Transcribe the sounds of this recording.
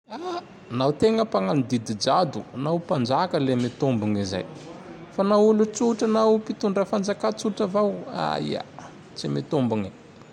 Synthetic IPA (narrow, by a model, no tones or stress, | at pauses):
a | nawt̪eŋəpaŋanid̪id̪id͡ʒad̪unawpand͡ʒakəlemet̪umbuŋiza̰jfanaulut͡suʈ͡ʂanawpit̪uɳɖ͡ʐafand͡zakat͡suʈ͡ʂavawa̰ḭa̰ | t͡simet̪ombuŋi̥